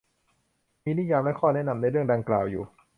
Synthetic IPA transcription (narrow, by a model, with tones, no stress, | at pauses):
miː˧ni˦˥˨jaː˧mlɛ˦˥kʰɔː˥˩nɛ˦˥ʔna˧mna˧ɾɯ˥˩əŋda˧ŋklaː˨˩wjṵː˨˩